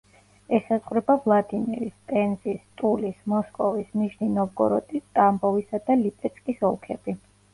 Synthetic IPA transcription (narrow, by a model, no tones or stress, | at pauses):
ɛsasχʼwɾɛbavlˠad̪imiɾist̪ʼɛnzist̪ʼulismɔskʼɔvisniʃninɔvɡɔ̰ɾɔt̪ʼist̪ʼambɔvisad̪alipʼɛt̪sʰʼkʼisɔlˠkʰɛbi